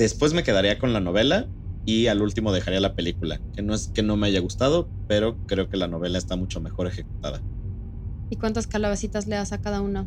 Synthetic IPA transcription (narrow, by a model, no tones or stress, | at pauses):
d̥̪e̞spwe̞zme̞ke̞ðaɾiako̞nlano̞β̞e̞la | ialult̪imo̞ð̞e̞xaɾialape̞likula̰ke̞noeske̞no̞me̞aʝaɣ̞ust̪að̞o̞ | pe̞ɾo̞kɾe̞o̞ke̞lano̞β̞e̞laest̪amut͡ʃo̞me̞xo̞ɾe̞xe̞k̚u̥t̪aða̰ | ikwant̪askalaβasit̪azleasakaðauno